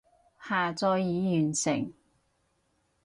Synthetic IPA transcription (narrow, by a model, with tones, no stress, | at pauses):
haː˨t͡sɔː˧jːiː˨jyː˨˩nsɪ̰˨˩ŋ